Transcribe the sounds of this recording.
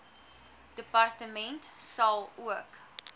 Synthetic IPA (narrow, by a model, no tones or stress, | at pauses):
d̥əpɑrtəmɛntsɐlˠuək